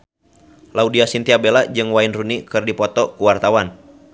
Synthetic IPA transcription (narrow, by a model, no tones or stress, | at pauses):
laudiasint̪iabelad͡ʒɨŋwainrunikɨrdipɔt̪ɔkuwart̪awan